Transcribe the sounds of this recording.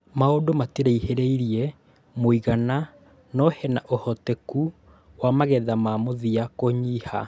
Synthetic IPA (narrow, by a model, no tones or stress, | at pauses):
maodomateɾeiheɾeiɾiɛ | moiɣana | nɔhɛnaʔohɔteku | wamaɣɛðamamoðiakoɲiːha̰